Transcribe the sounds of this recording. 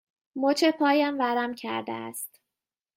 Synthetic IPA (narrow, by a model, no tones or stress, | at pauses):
mot͡ʃʰepʰɒːjæmvæɾæmcʰæ̰ɾd̪ḛæ̰st̪